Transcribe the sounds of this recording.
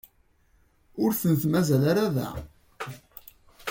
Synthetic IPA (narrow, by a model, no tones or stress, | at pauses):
ʊɾθənθmæzælaɾaðæ̰